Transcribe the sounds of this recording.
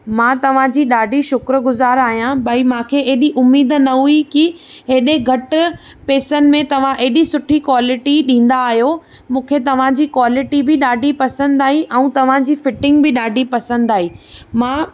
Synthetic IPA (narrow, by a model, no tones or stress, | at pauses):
mãːt̪ɐʋ̤ãd͡ʑiːɗaːɖʱiʃʊkɾə̆ɡʊzaːɾaːɦijãbɐimãːkʰeeɦɗiʔʊmːiːd̪nɐɦuikiɦeɗẽɡʱɐʈ | peːsənɪ̆mẽt̪ɐʋ̤ãʔeɦɪɗisʊʈʰikwaːlɪʈiɗĩːn̆d̪aːɦijo | mũːkʰet̪ɐʋ̤ãd͡ʑiːkwaːlɪʈibɪɗaːɖʱipɐsə̃nd̪aːɦĩʔɛ̃ũt̪ɐʋ̤ãd͡ʑiːfɪʈɪ̃ŋɡ̚bɪɗaːɖʱipɐsə̃nd̪aːɦiːmãː